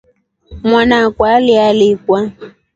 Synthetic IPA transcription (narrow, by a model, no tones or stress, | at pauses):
mwanakwalɪalɪkwa